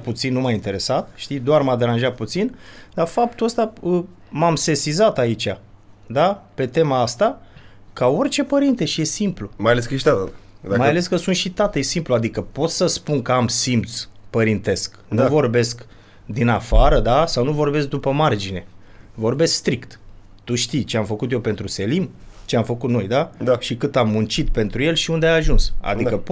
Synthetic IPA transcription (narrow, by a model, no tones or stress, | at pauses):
put̪sinːumajint̪e̞ɾe̞sat̪ʃt̪id̪oarmad̪e̞ɾanʒat̪̚put̪sind̪afap̚t̪uəst̪aə | mamse̞sizat̪ait͡ʃa | d̪ape̞t̪e̞maast̪a | kao̞rʲt͡ʃe̞pəɾint̪e̞ʃije̞simplumajaleskəʃt̪a | majale̞skəsunt̪ʃit̪at̪ejsimpluad̪ikəpo̞t̪səspunkəamsimpt̪spəɾint̪e̞sk | nuvo̞rbe̞sk | d̪inafaɾəd̪asawnuvo̞rbe̞s̬k̚d̪upəmard͡ʒine̞ | vo̞rbe̞skst̪ɾikt̪ | t̪uʃt̪ijt͡ʃeamfəkut̪jewpe̞nt̪ɾuse̞limt͡ʃeamfəkut̪no̞̰jd̪aaʃikɨt̪amːunt͡ʃit̪pe̞nt̪ɾuje̞lʃiund̪eajaʒunsa̰d̪ikəp